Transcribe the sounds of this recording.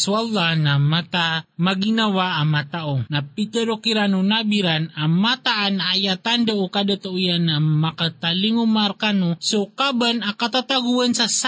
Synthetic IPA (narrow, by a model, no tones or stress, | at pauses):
salːanamat̪amaɡinawaʔːmat̪aʔonapit̪ɛɾokiɾanonabiɾanamat̪aʔanaːjat̪and̪aʔokad̪at̪aʔujanamakat̪aliŋumaɾkanosokabanakat̪at̪aɡuansas